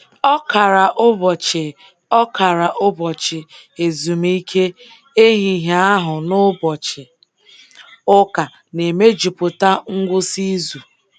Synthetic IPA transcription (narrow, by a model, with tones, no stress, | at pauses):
ɔ˦ka˨ɾa˨ʔʊ˦bɔ˨t͡ʃɪ˨ | ɔ˦kʰa˨ɾa˨ʔʊ˦bɔ˨t͡ʃɪ˨e˨zu˨mi˦kʰe˦ | e˦ɦi˨ɦa˦a˦ɦʊ˨nʊ˦bɔ˨t͡ʃɪ˨ | ʊ˦ka˨ | ne˨me˦d͡ʒu˨pʊ˨ta˦ŋ̩˦ɡʷʊ˦si˦zu˨